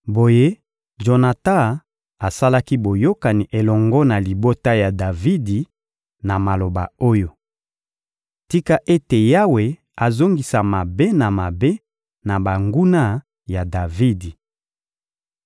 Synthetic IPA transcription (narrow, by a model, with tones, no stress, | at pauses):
bo˨je˦ | ʒo˨na˨ta˦ | a˨sa˦la˦ki˦bo˨jo˦ka˨ni˨ʔe˨lɔ˨ŋɡɔ˦na˨li˨bo˦ta˦ja˨da˨vi˦di˨ | na˨ma˨lo˨ba̰˨o˦jo˦˨ | ti˦ka˦ʔe˦te˨ja˦we˨ | a˨zo˦ŋɡi˨sa˨ma˨be˦na˨ma˨be˦ | na˨ba˨ŋɡu˦na˦ | ja˨da˨vi˦di˨